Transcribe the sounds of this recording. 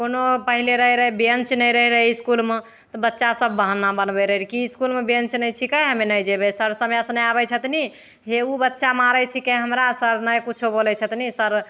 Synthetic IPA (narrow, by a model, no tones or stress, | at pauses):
konopəɦileɾəɦɛɾəɦɛbənt͡ʃnəjɾəɦɛɾəɦɛiskulme | t̪ɔbətːʃasəb̚ːəɦənːabənbɛɾəɦiɾkiskulmebənt͡ʃnəjt͡ʃʰikəjɦəmenəjd͡ʒebesəɾsəmjasnəabɛt͡ʃʰət̪ni | ɦeubətːʃamaɾɛt͡ʃʰikəɦəmɾasəɾnəjkut͡ʃʰobolɛt͡ʃʰət̪nisəɾ